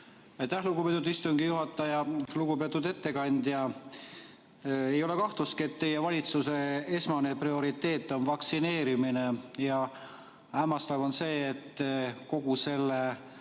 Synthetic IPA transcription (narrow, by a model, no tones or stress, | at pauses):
ɑjt̪ːæhluɡupet̪ːˑud̪ist̪uŋɡ̥ijuɦɑt̪ːˑɑjɑluɡ̥upet̪ːˑud̪e̞t̪ːe̞kɑnʲd̪̥jɑ | e̞jo̞le̞kɑht̪luskie̞t̪ːe̞jevɑlʲit̪suse̞e̞smɑne̞prio̞ɾit̪ːe̞ːt̪ːˑo̞nvɑksine̞ːɾiminejɑ | æːmɑst̪ɑvo̞nse̞ːt̪ːˑko̞ɡ̥use̞lːe